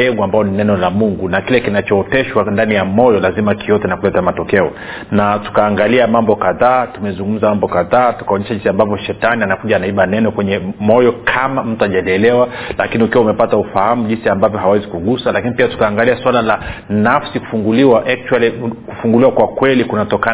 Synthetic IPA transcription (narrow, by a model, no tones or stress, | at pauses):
ɛɡuambajɔninɛnɔlamuŋɡunakilɛkinat͡ʃɔːtɛʃwandanijamɔjɔlazimakijɔtɛnakulɛtamatɔkɛɔ | natu̥kaːŋɡaliamambɔkaðaːtumɛzuŋɡum̩zamambɔkaðaːtu̥kaɔɲɛʃaʄinsiambavɔʃɛtanianakuʄaːnaiɓanɛnɔkwɛɲɛmɔjɔkʰamam̩tuaʄalɛlɛwala̰kiniukiwaumɛpataufahamuʄinsiambavjɔhawɛzikuɡusalakinipiatu̥kaːŋɡaliaswalalanafsiku̥fuŋɡuliwaʔɛk̚t͡ʃualikufuŋɡuliwakwakwɛlikunatɔka